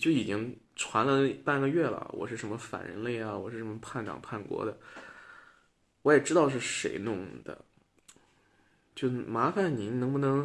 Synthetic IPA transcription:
t͡ɕjo˥˩ʊi˨˩t͡ɕi˥ŋ | ʈ͡ʂʰwa˧˥nlə˧˥pa˥˩nɡə˧ɥɛ˥˩lə̰˨˩wʔɔ̰˨˩ʂɻ̩˥˩ʂə˧˥nmə˧fa̰˨˩nɻə̰˧˥nle˥˩ɪa˩wɔ̰˨˩ʂɻ̩˥˩ʂə˧˥mə˧pʰa˥˩nʈ͡ʂɑ̰˨˩ŋpʰa˥˩nkwɔ̰˧˥d̪ə˧ | wɔ˧˥jɛ˨˩ʈ͡ʂɻ̩˥t̪ɑ˥˧ʊʂ̬ɻ̩˥˩ʂe˧˥ɪnʊ˥˩ŋd̪ə̰˩ | t͡ɕjo˥˩ʊma˧˥fa˥˩nni˧˥nɤ˧˥ŋbu˧nɤ˧˥ŋ

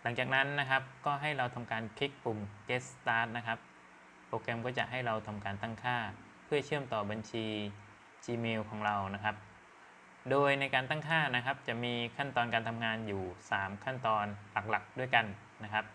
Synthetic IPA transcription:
la˩˦ŋt͡ɕaː˨˩k̚na˦˥nːa˦˥kʰa˦˥p̚kɔː˥˩ɦa˥˩jɾa˧wt̪ʰa˧mkaː˧nkʰi˦˥k̚pu˨˩mkeː˦˥st̪aː˦˥t̪̚na˦˥kʰa˦˥p̚ | pʰːɾoː˧kɛ˧mkɔː˥˩t͡ɕa˨˩ʔɦa˥˩jɾa˧wt̪ʰa˧mkaː˧nt̪a˥˩ŋkʰaː˥˩ | pʰɯ˥˩ɐt͡ɕʰɯ˥˩əmt̪ɔː˨˩ba˧nt͡ɕʰiː˧ | t͡ɕiː˧meː˧wkʰɔː˩˦ŋɾa˧wna˦˥kʰa˦˥p̚ | doː˧jna˧jkaː˧nt̪aː˥˩ŋkʰaː˥˩na˦˥kʰa˦˥p̚t͡ɕa˨˩ʔmiː˧kʰa˥˩nt̪ɔː˧nkaː˧nt̪ʰa˧mŋaː˧njuː˨˩saː˩˦mkʰa˥˩nt̪ɔː˧nla˨˩k̚la˨˩k̚du˥˩əjka˧nː | a˦˥kʰa˦˥p̚

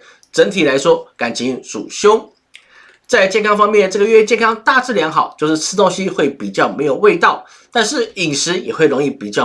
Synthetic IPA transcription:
ʈ͡ʂə˧˥ŋt̪ʰi˨˩la˧˥ɪʂwɔ˥ka˨˩nt͡ɕʰi˧˥ŋʂṵ˨˩ɕjo˥ŋ | t͡sa˥˧ɪt͡ɕjɛ˥˧nkʰɑ˥ŋfɑ˥ŋmjɛ˥˧nʈ͡ʂɤ˥˩ɡə˩ɥɛ˥˩t͡ɕjɛ˥˧nkʰɑ˥ŋt̪a˥˧t͡sɹ̩˥˩ljɑ˧˥ŋxɑ˨˩ʊt͡ɕjo˥˧ʊʂɻ̩˥˩t͡sʰɹ̩˥t̪o˥ŋɕi˥xwe˥˩ɪpi˨˩t͡ɕjɑ˥˩ʊme˧˥ɪjo˨˩ʊwe˥˧ɪt̪ɑ˥˩ʊ | t̪a˥˧nʂɻ̩˥˩i˨˩ŋʂɻ̩˧˥jɛ˨˩xwe˥˩ɪɻo˧˥ŋi˥˩pi˨˩t͡ɕjɑ˥˩

